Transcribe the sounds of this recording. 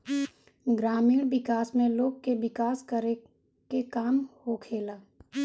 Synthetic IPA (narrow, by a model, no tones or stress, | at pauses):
ɡɾaːmiːɽʋɪkaːsmẽloːɡ̚kebɪkaːskəɾe | kekaːmhokʰeːlaː